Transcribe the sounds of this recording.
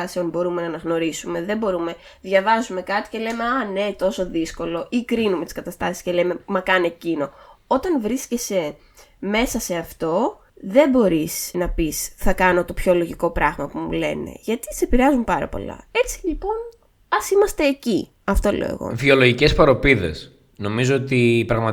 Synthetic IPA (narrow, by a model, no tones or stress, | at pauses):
ɐseonbo̞ɾume̞nɐːnɐɣno̞ɾisume̞ðe̞bo̞ɾume̞ | ðʝɐvɐzume̞kɐt̪i̥ce̞le̞me̞ɐne̞t̪o̞so̞ðisko̞lo̞ʔikɾinume̞t̪i̥skɐt̪ɐst̪ɐsi̥sceleme̞mɐkɐnecino̞o̞t̪ɐnvɾisce̞se̞ | me̞sɐse̞ɐft̪o̞ | ðe̞bo̞ɾisnɐpisθɐkɐno̞t̪opço̞lo̞ʝiko̞pɾɐɣmɐpumṵle̞̰ne̞̰ʝɐt̪i̥t̪se̞piɾeɐzumpɐɾɐ̰po̞̰lɐ̰e̞t͡silipo̞n | ɐsimɐst̪e̞ːci | ɐft̪o̞lḛḛɣo̞̰vio̞lo̞ʝice̞spɐɾo̞piðe̞̰s | no̞mizoot̪ipɾɐɣmɐt̪